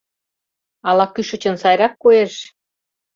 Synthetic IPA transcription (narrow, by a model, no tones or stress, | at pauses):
ɑlɑkyʃə̆t͡ɕə̆nsɑjɾɑkːoeʃ